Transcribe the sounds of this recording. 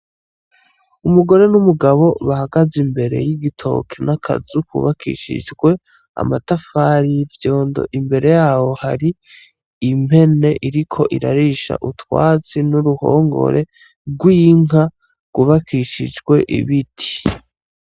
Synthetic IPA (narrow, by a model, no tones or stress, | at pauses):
umuɡo̞ɾe̞numuɡaβo̞βahaɡazimbe̞ɾe̞̰jiɡitʰo̞̰kʰenakʰa̰zukṵβakʰḭʃḭd͡ʒɡwe̞ | a̰matafaːɾijvjo̞ːndo̞̰ʔimbe̞ɾe̞jaːho̞haɾiː | mhe̞ne̞ʔiɾikʰo̞ʔiɾaɾiʃa̰ʔutwa̰ːt͡sinuɾuho̞̰ːŋɡo̞̰ɾʔe̞ | ɡwiːŋa | ɡ̥uβakʰiʃid͡ʒɡwe̞ʔḭβitʰi̥